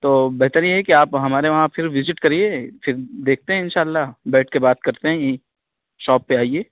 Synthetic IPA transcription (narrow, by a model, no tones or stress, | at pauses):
t̪oːbɛɦt̪əɾjeɦɛkiaːpɦɐmaːɾeʋɐɦãfɪɾʋɪzɪʈkɐɾiefɪɾd̪eːk̚ʰt̪eɦɛ̃ɪnʃaːlːabɛːʈ̚ʰkebaːt̪̚kɐɾt̪eɦɛ̃ji | ʃɔːpːeaːieː